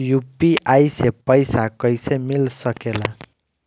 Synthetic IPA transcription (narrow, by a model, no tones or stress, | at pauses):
jupiʔajsepʌjsakʌjsemilsʌkela